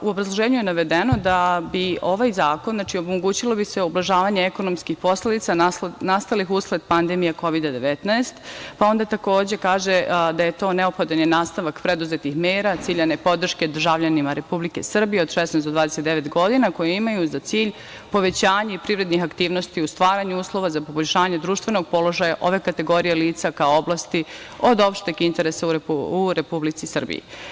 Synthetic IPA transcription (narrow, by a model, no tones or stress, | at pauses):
uobɾazlˠoʒeːɲuje̞naʋe̞d̪eno̞d̪abio̞ʋajzaːkonzat͡ʃiomoɡuːt͡ɕilˠo̞biseoblˠaʒaːʋaɲeeko̞no̞mskixpo̞sled̪it̪sanast̪alixuskled̪pand̪emijeko̞ʋid̪ad̪e̞ʋet̪naest̪pao̞nd̪at̪ako̞ːd͡ʑe̞kaːʒed̪aje̞t̪o̞ːneopxo̞d̪onjenaːst̪aʋakpɾe̞d̪uzet̪ixmeːɾat̪siːʎanepo̞d̪r̩ʃke̞d̪r̩ʒaʋʎanimaɾe̞publike̞sr̩bijeo̞d̪ʃesnɛsd̪od̪ʋaːd̪eset̪d̪eʋe̞t̪ɡo̞d̪inako̞jeimajuzat̪siːʎ | po̞ʋe̞t͡ɕaːɲaipɾivɾe̞d̪nixakt̪iːʋno̞st̪iust̪ʋaːɾaɲuuːslˠo̞ʋazapo̞boʎʲʃaːɲe̞d̪ɾuːʃt̪ʋe̞no̞ɡ̚po̞lo̞ʒajaʔo̞ʋe̞kat̪e̞ɡo̞ɾijeliːt̪sakaooblast̪io̞d̪o̞pʃt̪ekint̪e̞ɾesauɾuɾe̞publit̪sisr̩bḭjḭ